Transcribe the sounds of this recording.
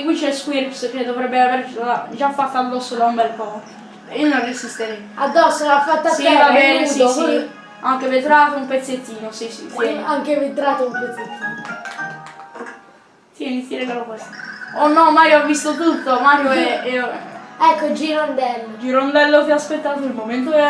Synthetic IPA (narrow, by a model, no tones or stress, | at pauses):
ikwit͡ʃːɛskwiɾpsked̪ovɾɛbːeaveɾd͡ʒafːat̪ːoad̪ːɔsːolaumbɛlpɔko | inonrːesist̪eɾɛ | ad̪ːɔsːolafːat̪ːasiɛvabɛnesis | aŋkevet̪ɾaːt̪oumpet̪sːet̪ːiːnosisḭsiaŋkevet̪ɾaːt̪oumpet̪sːet̪ːiːno | sianit̪sjiɾɛkalokwɛst̪ḁonːɔmaiɔvːist̪ot̪ut̪ːomaŋkoɛɛoɛkːod͡ʒiɾond̪ɛlːod͡ʒiɾond̪ɛlːot̪iaspet̪ːaːt̪oilmoment̪̬oɛ